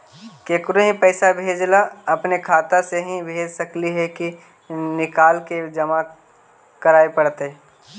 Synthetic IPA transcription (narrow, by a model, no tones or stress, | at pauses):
keːkɾoɦĩpəːsabʱeːd͡ʒlaɐpnekʰaːt̪aseɦĩbʱeːd͡ʒsəkliɦɛki | nɪkaːlked͡ʒɐma | kəɾaːepəɽt̪e